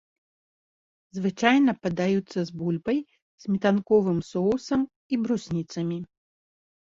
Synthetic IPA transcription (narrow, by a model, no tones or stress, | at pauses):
zvɨt͡ʂajnɐpɐd̪ajut̪sːɐzbulʲbɐj | z̥ʲmʲit̪ankɔvɨmsɔwsɐm | ibɾusʲnʲit̪sɐmʲi